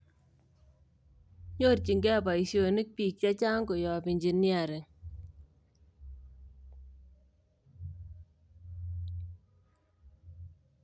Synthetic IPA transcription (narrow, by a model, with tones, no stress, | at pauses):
ɲo˦rt͡ʃi˨ŋɡɛ˦˨pa˨i˨sjo˨ni˦k̚piː˨k̚t͡ʃa˦t͡ʃa˦ŋɡo˨jɔ˨pi˨ɲd͡ʒi˨ni˦a˨ɾe˨ŋ